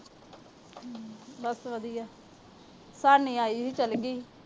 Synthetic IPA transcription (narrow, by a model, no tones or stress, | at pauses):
bəsʋəd̪ijaː | saːnĩːaːiːɦit͡ʃəlɡiː